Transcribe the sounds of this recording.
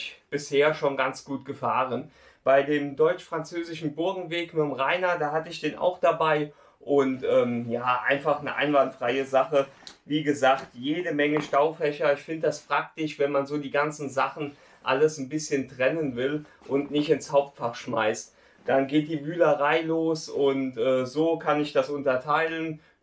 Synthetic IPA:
çb̥ɪsheːɐʃonɡant͡sɡ̥uːtɡ̥əfaːʁən | b̥aɪdeːmdɔʏt͡ʃfʁ̥ant͡søːzɪʃn̩bʊɐɡŋ̩veːkmɪtmʁaɪnɐdaːɦatəɪçd̥eːnʔa̰ʊxd̥abaɪ | ʔʊntʔɛːmjaːʔa̰ɪnfaχnəʔa̰ɪnvantfʁ̥aɪəzaχəviːɡəzaːktjeːdəmɛŋəʃtaʊfɛçɐɪçfɪndəd̥asfʁ̥ak̚tɪʃv̥ɛnmanzoːdiːɡant͡sn̩zaχn̩ | ʔa̰ləsn̩bɪsçəntʁ̥ɛnənvɪl | ʔʊntnɪçtɪnshaʊp̚tfaχʃmaɪst | d̥anɡeːt̚d̥iːvyːləʁaɪloːsʊntʔɛːzoːkʰanɪçd̥asʔʊntɐtʰaɪlən

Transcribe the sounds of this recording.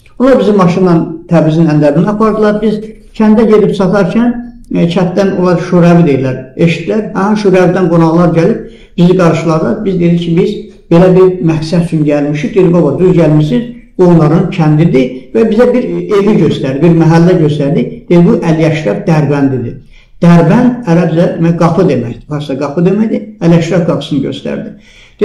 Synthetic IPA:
onlˠɑɾbizimːɑʃind̪ɑnt̪ʰæbizinænd̪æɾinæɑpʰɑɾd̪ɯlˠɑɾbiz | t͡ʃʰænd̪æɟe̞ɾipsʰɑt̪ʰɑɾcʰæn | t͡ʃʰæt̪̚d̪ænolˠɑɾʃuɾævid̪e̞j̪ilːæɾeʃt̪ilæɾhæhæʃuɾævd̪ænɡonɑʁlˠɑɾɟælib̥̚ | b̥iziɡɑɾʃɯlˠɑɾd̪ɑbizd̪eiɾcʰibiz | b̥e̞læbiɾmæksæd̪yt͡ʃʰynɟælmiʃid̪ed̪ibɑbɑd̪yzɟælmiʃsizbuonlˠɑɾɯncʰænd̪id̪ivæbizæbiɾeviɟø̞st̪æɾd̪ibiɾmæɦælːæɟøst̪æɾd̪id̪̥ed̪ibuʔæljæʃɾæbd̪æɾbænd̪id̪i | d̪̥æɾbænd̪æɾæbzæd̪emæçɡɑpʰɯd̪e̞mæçd̪̥ibɑssɑɡɑpʰɯd̪emæjd̪iæljæʃɾæpɡɑpʰsɯnɟøst̪æ̰ɾd̪i̥

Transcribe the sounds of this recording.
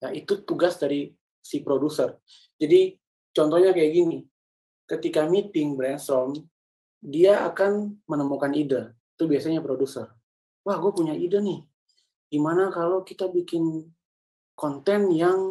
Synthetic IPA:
jait̪ut̪uɡasdaɾi | sipɾodusər | d͡ʒadi | t͡ʃɔnt̪ɔhɲakajaɡini | kət̪ikamit̪ɪŋbɾɛnsɾɔm | diaa̰kanmənəmukanidait̪ubiasaɲapɾodusər | wahɡuapuɲaidanɪh | ɡimanakalokit̪abikɪn | kɔnt̪ɛnjaŋ

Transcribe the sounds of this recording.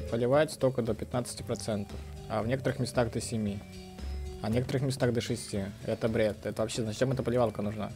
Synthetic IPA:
pəlʲɪvaɪtʲst̪okəd̪opʲɪt̪nat̪sɨ̥tʲɪpɾɐt̪sɛnt̪əf | ɐ̰vnʲe̞kət̪əɾɨxmʲɪst̪aɣd̪əsʲɪmʲi | ɐnʲekət̪əɾɨxmʲɪst̪aɣd̪əʂɨsʲtʲiɛt̪əbɾʲet̪ɛt̪əvɐpɕːeznat͡ɕ̪t͡ɕɛmɛt̪əpəlʲɪvalˠkənʊʐna̰

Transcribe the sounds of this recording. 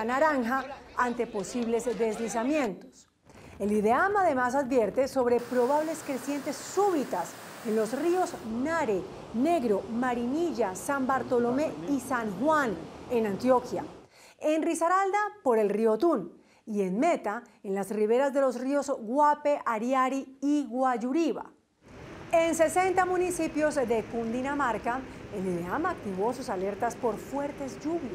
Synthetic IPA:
anaɾaŋxaant̪e̞po̞siβle̞zd̪e̞zlis̬amje̞nt̪o̥s | e̞liðeamaðe̞masaðbje̞ɾt̪e̞so̞βɾe̞pɾo̞βaβle̞skɾe̞sjent̪e̞sːuβit̪ase̞nlo̞srio̞znaɾe | ne̞ɣɾo̞maɾiniʝasambaɾt̪o̞lo̞me̞isaŋxwanenãnt̪jo̞kja | e̞nrisaɾald̪apo̞ɾe̞lriot̪un | ie̞nme̞t̪aenlasriβe̞ɾazd̪e̞lo̞srio̞zɡwape̞ʔaɾjaɾiiɣwad͡ʒuɾiβa̰ | e̞nse̞se̞nt̪amũnisipjo̞zd̪e̞kund̪inamaɾkaelileamak̚t̪iβo̞susale̞ɾt̪aspo̞ɾfwe̞ɾt̪e̞zd͡ʒuβjas

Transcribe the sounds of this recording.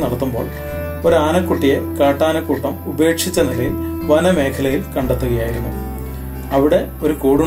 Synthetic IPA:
nɐɽɐt̪ːumbo̞̰ːɭ | oɾaːnɐkːuʈːije̞kaːʈːaːnɐkːuːʈːɐmube̞ːkʂit͡ɕːɐniɭɐjilʋɐnɐme̞ːkʰɐlɐjilkɐɳɖɐt̪ːuɣɐjaːjiɾunːṵ | ɐʋiɽe̞ | o̞ɾukuːɽu

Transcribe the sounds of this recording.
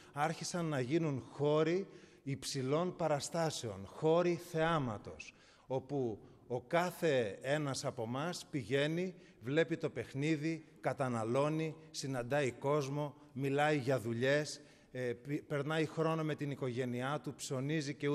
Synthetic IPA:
ɐɾçisɐnːɐʝinunxo̞ɾiː | psilo̞npɐɾɐst̪ɐse̞o̞nxo̞ɾiθe̞ɐmɐ̰t̪o̞s | o̞pu | o̞kɐθe̞e̞nɐsɐpo̞mɐspiʝe̞ni | vle̞pit̪o̞pe̞xniðikɐt̪ɐnɐlo̞nisinɐnd̪ɐiko̞zmo̞ | milɐiʝɐðuʎe̞s | pe̞ɾnɐixɾo̞no̞me̞t̪iniko̞ʝe̞niɐt̪upso̞nizice̞u

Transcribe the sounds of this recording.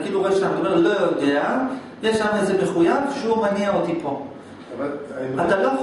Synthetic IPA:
kiːluʁeʃtamaomeʁlojod̪e̞a | jeʃlamezemeχujavʃeumaniaot̪ipo̞ | vaat̪alo

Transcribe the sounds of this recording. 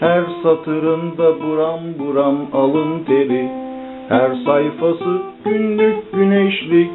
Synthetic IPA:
hæɾsat̪ʰɯɾɯnd̪abuɾanbuɾamalˠɯnt̪ʰeɾi | hæɾsajfasɯɟ̥ynlyk̚ʲɟyneʃlʲicʲ

